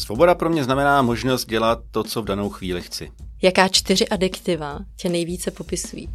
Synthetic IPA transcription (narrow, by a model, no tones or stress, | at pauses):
svobo̞dapɾo̞mɲɛznamɛnaːmo̞ʒnost̪̚ɟɛlat̪̚ːot͡sovdano̞wxviːlɪxt͡sɪ̰jakaːt͡ʃt̪ɪr̝ɪʔadɪkt̪ɪvacɛnɛjviːt͡sɛpo̞pɪsṵjḭː